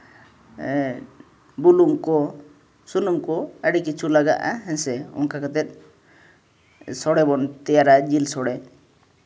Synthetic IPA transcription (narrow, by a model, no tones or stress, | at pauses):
buluŋkɔ | sunumkɔəɖikit͡ʃʰulaɡa̰ʔa̰ɦɛnsɛɔ̰ŋkakat̪ɛt̪̚ˀ | sɔɽɛbɔnt̪ɛjaɾad͡ʒilsɔɽɛ